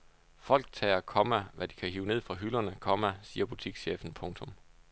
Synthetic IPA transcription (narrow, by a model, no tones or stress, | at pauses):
fɒ̽l̰ɡ̥̚t͡sʰɛ̰ːɐkʰɒ̽mæʋæd̥i̥kʰæhiːʊne̝ð̰ˠfʁɑ̈ɦylɐnəkʰɒ̽mæsiːɐb̥ut͡sʰiɡ̥ɕeːfn̩pʰɔ̽ŋt͡sʰɔ̽m